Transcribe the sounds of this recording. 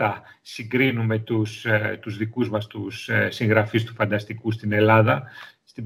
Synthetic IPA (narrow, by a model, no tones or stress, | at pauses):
ɐ | siɡɾinume̞t̪ust̪uzðikuzmɐst̪ussiŋɣɾɐfist̪u̥fɐnd̪ɐst̪ikust̪ine̞lɐðɐst̪i